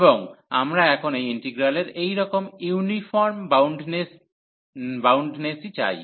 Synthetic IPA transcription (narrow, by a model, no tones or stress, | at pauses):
boŋamɾaɛkʰonejiɳʈiɡɾaleɾejɾɔkomiunifʰɔɾmbwɳɖnes | bawɳɖnesit͡ɕa̰j